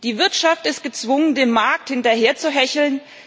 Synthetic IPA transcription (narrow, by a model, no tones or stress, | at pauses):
d̥iːvɪɐtʃaftɪst̚ɡ̥ət͡sv̥ʊŋəndeːnmaɐk̚thɪntɐɦeːɐt͡suɦɛçl̩n